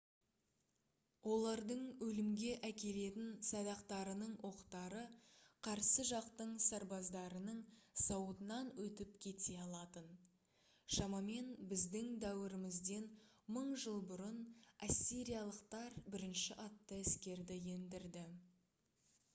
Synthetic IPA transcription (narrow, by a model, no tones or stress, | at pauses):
wo̞lˠɑɾd̪əɴwɵlɪmɡʲe̞ʔækʲe̞le̞t̪ɪnsɑd̪ɑqt̪ɑɾənəɴwʔo̞qt̪ɑɾəqʰɑɾsəʒɑqt̪əɴsɑɾbɑzd̪ɑɾənəɴsɑwət̪ənɑnwɵt̪ɪpkʲʰe̞t̪e̞ɑlˠɑt̪ən | ʃɑmɑme̞nbɪzd̪ɪŋd̪æwɪɾɪmɪzd̪e̞nməɴʒəlˠbʊɾənasʲːiɾijɑlˠəqt̪ɑɾbɪɾɪnʃɪʔɑt̪ːəɪskʲe̞ɾd̪ɪje̞nd̪ɪɾd̪ɪ